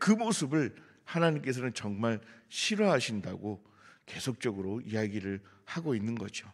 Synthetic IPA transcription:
kɯmosʰɯbɯɭ | hanaɲimk͈e̞sʰʌnɯnt͡ɕʌŋmaɭɕʰiɾwʌɦaɕʰinda̰ɡo | ke̞sʰok̚t͡ɕ͈ʌɡɯɾoijaɡiɾɯɭ | haɡoinːɯnɡʌd͡ʑo

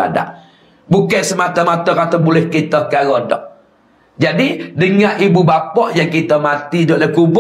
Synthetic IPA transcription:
a̰da̰ʔ | bukajsəmat̪amat̪ɔrat̪abulɛhkit̪ɔhkaɣɔdɔ̰ʔ | d͡ʒadidəŋaʔibubapɔʔjaŋkit̪amat̪idɔʔlakub

